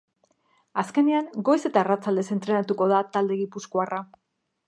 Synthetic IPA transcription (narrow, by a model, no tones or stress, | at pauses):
aske̞neaŋɡo̞jse̞t̪aerat͡sald̪e̞se̞nt̪ɾe̞nat̪uko̞ðat̪ald̪e̞ɣipuskoara